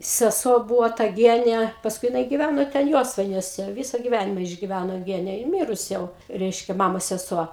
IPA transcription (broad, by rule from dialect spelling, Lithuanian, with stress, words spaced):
sʲɛˈsuɔ ˈbuːʋoː tɐ ˈɡʲiɛnʲɛ pɐsˈkʊɪ jɪˈnɐɪ ɡʲɪˈʋʲænoː tʲɛn ˈjoːsʋɐɪnʲuɔsʲɛ ˈʋʲɪsɐ ɡʲɪˈʋʲænʲɪmɐ ɪʒʲɡʲɪˈʋʲænoː ˈɡʲæːnʲɛ jɪ ˈmʲɪrʊs ˈjɛʊ ˈrʲɛɪʃʲkʲɛ ˈmɑːmoːs sʲɛˈsuɔ